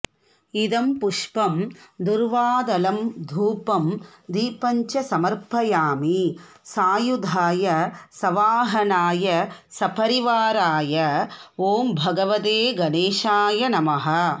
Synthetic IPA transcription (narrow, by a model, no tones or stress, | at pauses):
id̪ɐmpʊʂpɐmd̪uɾʋaːd̪ɐlɐmd̪ʱuːpɐmd̪iːpɐɲt͡ʃɐsɐmɐɾpɐjaːmi | saːjud̪ʱaːjɐsɐʋaːɦɐnaːjɐsɐpʰɐɾiʋaːɾaːjɐoːmbʱɐɡɐʋɐt̪eːɡɐneːʂaːjɐnɐmɐɦɐ